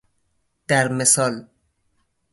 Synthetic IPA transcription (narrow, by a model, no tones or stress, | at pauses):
d̪̥æɾmesɒːl